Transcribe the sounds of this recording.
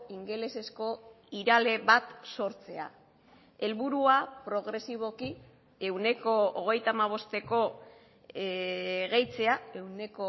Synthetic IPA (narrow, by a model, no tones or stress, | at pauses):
iŋɡe̞le̞se̞sko̞ | iɾale̞βat̪so̞ɾt͡se̞a̰ | e̞lβuɾuapɾo̞ɣ̞ɾe̞siβ̞o̞ki | e̞wne̞ko̞ːɣ̞e̞jt̪aːmaβ̞o̞st̪e̞ko̞ | ɣejt͡se̞ae̞wne̞ko